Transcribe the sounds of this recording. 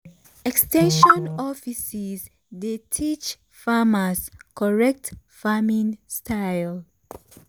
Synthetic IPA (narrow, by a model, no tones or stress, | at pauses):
ɛkstɛ̃nʃɔ̃nɔfisiz | detʰit͡ʃ | famaskɔɹɛk̚t | famĩnstʰajl